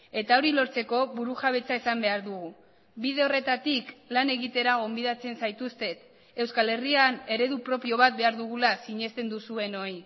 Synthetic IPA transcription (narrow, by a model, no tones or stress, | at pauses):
e̞t̪ao̞ɾilo̞ɾt͡se̞ko̞βuɾuʝaβ̞e̞t͡saesambe̞aɾðuɣu | bið̞e̞o̞re̞t̪at̪iklane̞ɣit̪e̞ɾaɣ̞o̞mbiðat͡se̞nsajt̪ust̪e̞t̪ | e̞wskale̞riane̞ɾe̞ðupɾo̞pio̞β̞at̪̚be̞aɾðuɣ̞ulasiɲe̞st̪e̞nd̪usue̞no̞i